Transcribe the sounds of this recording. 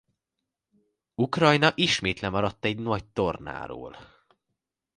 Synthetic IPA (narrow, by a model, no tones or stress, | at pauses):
ukrɒjnɒʔiʃmeːt̪lɛmɒɾɒt̪ːɛɟnɒct̪o̞rna̰ːɾo̰ːl